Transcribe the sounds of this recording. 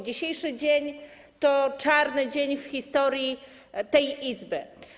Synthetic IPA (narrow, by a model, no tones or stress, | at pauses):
d͡ʑiɕejʂɘd͡ʑeɲ | t̪ɔt͡ʂaɾnɘd͡ʑeɲfxʲist̪ɔɾʲji | t̪ɛjʔizbɘ